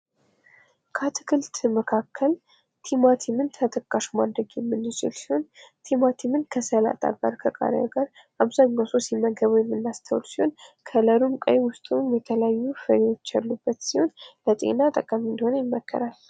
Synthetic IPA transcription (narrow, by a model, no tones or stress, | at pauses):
kʰat̪ʰɨ̥kɨlt̪məkʰakʰːəl | t̪ʰimat̪ʰimɨnt̪ʰət̪ʰəkʼːaʃumad̪ɾəɡjɛmːɨnɪt͡ʃʰɪ̰lsiho̞nt̪ʰimat̪ʰimɨnkʰəsəla̰t̪ʼa̰ɡa̰ɾkʰəkʼa̰ɾaɡaɾ | aβzaɲːawsosiməɡəβujɛmːɨnːast̪ʰəwlsiho̞nkʰələɾumkʼə̰jwʊst̪ʼumjɛt̪ʰələjajːufəɾewo̞t͡ʃːalːubːət̪siho̞nlət̪ʼḛnat̪ʼəkʼamɨnd̪əho̞nəjɪmːəkʰːə̰ɾal